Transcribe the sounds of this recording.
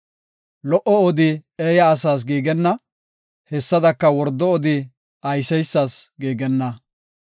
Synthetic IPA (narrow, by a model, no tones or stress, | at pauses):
lɔʔɔɔd̪ɪeːjɐːs̬aːs̬ɡiːɡɛnːɐ | hɛsːɐd̪ɐkːɐwɔɾd̪ːɔɔd̪ɪ | ɐjsɛjsːasɡiːɡɛnːɐ